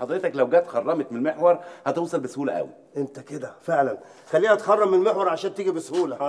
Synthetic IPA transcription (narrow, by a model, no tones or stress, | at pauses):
ħɑd̪ˤɾet̪ɑklæwɡæːt̪xɑrˤːɑmet̪̚mɪnelmeħwɑɾˤhæt̪oːsˤɑlbeshuːlæʔæ̰wḭ | ʔent̪æked̪æfeʕlæn | xælːiːhæt̪xɑrˤːɑmːɪnlmeħwɑɾˤʕaʃæːnt̪iːɡibeshuːlæ